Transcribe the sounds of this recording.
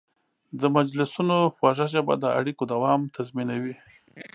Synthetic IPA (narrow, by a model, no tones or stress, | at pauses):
d̪əmad͡ʒlɪsunoxwaʒaʒaba̰d̪əa̰ɽikod̪awɑmt̪ʰazminawi